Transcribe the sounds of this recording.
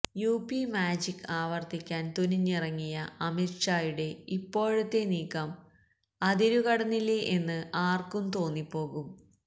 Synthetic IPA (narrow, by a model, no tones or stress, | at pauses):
juːpimaːd͡ʑikːaːʋɐrt̪ikʲːaːnt̪uniɲːirɐŋːijɐɐmirʂaːjuɽe̞ipːo̞ːɻut̪ːe̞niːkːɐm | ɐðiɾukɐɽɐnːilːeʔenːɨʔaːrkumt̪o̞ːnːipːo̞ːɣum